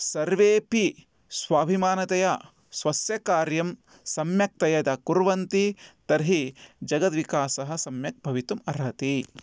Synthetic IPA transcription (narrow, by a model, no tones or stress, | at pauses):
sɐɾʋeːpi | sʋaːbʱimaːnɐt̪ɐja | sʋɐsjɐkaːɾjɐm | sɐmjɐk̚t̪ɐjɐt̪ɐkuɾʋɐnt̪it̪ɐɾɦid͡ʒɐɡɐt̪ʋikaːsɐɦɐ̆sɐmjɐk̚bʱɐʋit̪umɐɾɦɐt̪i